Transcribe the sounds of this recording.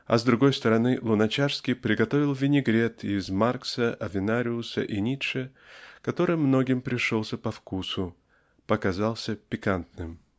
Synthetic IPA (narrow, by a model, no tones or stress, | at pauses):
ɐ̰zd̪ɾʊɡo̞jst̪əɾɐnɨlˠʊnɐt͡ɕaʂskʲɪjpɾʲɪɡɐt̪o̞vʲɪlˠvʲɪnʲɪɡɾʲet̪ɪzmarksəɐvʲɪnaɾʲɪʊsə̰ʔɪnʲit̪ʂə | kɐt̪o̞ɾɨjmno̞ɡʲɪmpɾʲɪʂolˠsʲəpɐfkusʊ | pəkazalˠsʲəpʲɪkant̪̚nɨm